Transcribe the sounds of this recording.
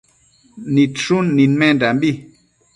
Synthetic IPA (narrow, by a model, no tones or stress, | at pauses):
nitunːinmɛndambi